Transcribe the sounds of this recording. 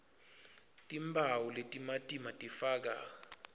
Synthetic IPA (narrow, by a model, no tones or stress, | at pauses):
tʼimbʱawuletʼimatʼimatʼifaːk̬a